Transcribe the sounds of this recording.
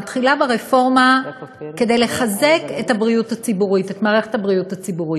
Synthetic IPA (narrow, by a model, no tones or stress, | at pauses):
atχilabeʁefo̞ʁmake̞de̞jle̞χaze̞ke̞thabʁijuthat͡sibuʁitetmaːʁe̞χetabʁijutat͡sibuʁi